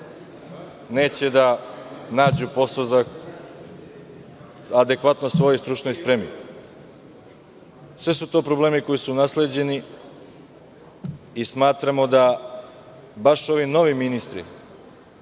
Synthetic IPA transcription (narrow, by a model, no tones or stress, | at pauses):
ne̞ːt͡ɕe̞d̪anaːd͡ʑupo̞sozak | ad̪e̞kʋat̪nosʋo̞jost̪ɾut͡ʃnojspɾemḭ | sʋe̞sut̪o̞ːpɾo̞ble̞ːmiko̞jisunasle̞d͡ʑe̞ni | ismaːt̪ɾamo̞d̪a | baʃo̞ʋino̞ʋiminist̪ɾḭ